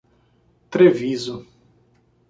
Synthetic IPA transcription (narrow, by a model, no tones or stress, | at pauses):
t̪ɾevizu